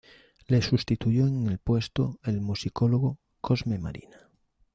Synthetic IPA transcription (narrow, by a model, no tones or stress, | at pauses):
le̞sust̪it̪ujoeŋelpwe̞st̪oelmusikoloɣ̞o | kʰozmema̰ɾḭna